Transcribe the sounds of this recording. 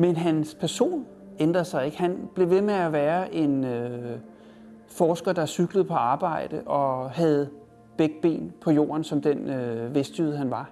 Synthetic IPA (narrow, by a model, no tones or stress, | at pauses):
menɦænspʰæɐso̝̰ːn | end̥ʁɐsɑ̈ɪe̝ɡ̥hænb̥le̝ʋe̝meæʋæːɐʔe̝nø | fɒːsɡ̥ɐd̥ɑsyɡ̥ləð̞̩ˠpʰɒ̽ɑ̈ːb̥ɑ̈ɪ̰d̥əʔɒ̽ɦæð̞̩ˠ | b̥eɡ̥əb̥e̝̰ːnpʰɒ̽jo̝̰ːɐnsɒ̽md̥enøʋesd̥jyð̩̰ˠɦænʋɑ̈